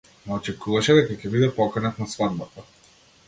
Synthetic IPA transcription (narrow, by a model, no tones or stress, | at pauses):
naɔt͡ʃɛkuvaʃɛd̪ɛkacʲɛbid̪ɛpɔkanat̪nasvad̪̚bat̪a